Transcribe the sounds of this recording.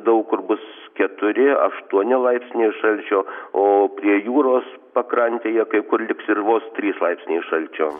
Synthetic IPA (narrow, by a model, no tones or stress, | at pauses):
d̪ɐʊkkʊrbʊskʲɛt̪ʊɾʲɪɐ̰ʃt̪uɔnʲɪlˠɐɪpʲsʲnʲeːʃɐlʲt͡ʃʲoːoːpʲɾʲiɛjuːɾoːs | pɐkɾɐnʲt̪ʲeːjɛkɐɪkʊrlʲɪksɪrʋoːst̪ʲɾʲiːslˠɐɪpʲsʲnʲeːʃɐlʲt͡ʃʲoː